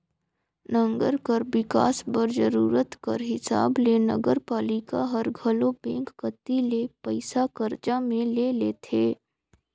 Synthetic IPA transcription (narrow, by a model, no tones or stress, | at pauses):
nə̃ŋɡəɾkɐɾbɪka̰ːsbɐɾzəɾuːɾət̪kɐɾɦɪsa̰ːblenɐ̰ɡəɾpaːlɪkaɦəɾɡʱəlobɛ̃ːŋkːət̪ːilepəɪsakəɾd͡ʒamẽleːleːt̪ʰeː